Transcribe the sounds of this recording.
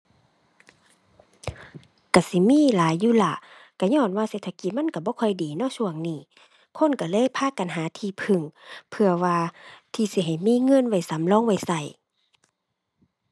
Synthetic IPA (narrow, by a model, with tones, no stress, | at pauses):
ka˧˩si˧˦miː˧˥˨laː˨˦jːuː˧˥˨la˧˩ʔ | ka˧˩ɲɔː˧˩˨nwaː˧˨seː˧t̪ʰa˧ki˧˩ma˧˥˨nka˧˩bɔː˧˦kʰɔ˧˩jdiː˨nɔ˧˥˨sʰu˧˨əŋniː˧˩ | kʰo˧˥˨nka˧˩lɤː˧˥˨jpʰaː˧˥˨ka˨nɦaː˨˦t̪ʰiː˧˩pʰɯ˧˩˨ŋpʰɯ˧ɐwaː˧t̪ʰiː˧˩si˧˦ɦa˨˩jmiː˧˥˨ŋɤ˧˥˨nwa˧˩jsa˨˦mlɔː˧˥˨ŋwa˧˩˨jsa˧˩j